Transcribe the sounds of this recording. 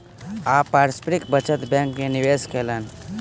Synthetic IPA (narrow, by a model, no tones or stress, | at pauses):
aːpːaːɾspɾɪkbət͡ʃət̪bɛ̃ːŋkmenɪʋeːskʰeːləːn